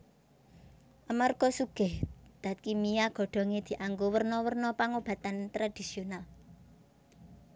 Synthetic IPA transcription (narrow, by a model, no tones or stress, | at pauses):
ʔamarɡ̥ɔ̤suɡ̥ɛhd̪̥a̤t̪̚kimijaɡ̥ɔ̤ɖ̥ɔ̤ŋed̪̥i̤ʔaŋɡowərnɔwərnɔpaŋob̥a̤t̪ant̪ɾad̪̥isional